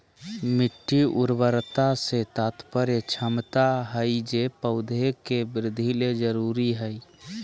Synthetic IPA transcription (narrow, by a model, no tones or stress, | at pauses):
mɪʈːiʔuɾbəɾt̪aset̪at̪pəɾet͡ʃʰəmt̪aɦəjd͡ʒepəʊd̪ʱekebɾɪd̪ʱːiled͡ʒəɾuɾiɦəi